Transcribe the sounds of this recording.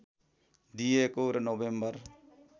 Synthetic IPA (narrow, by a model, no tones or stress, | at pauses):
d̪iekoːɾnoʋẽmbəɾ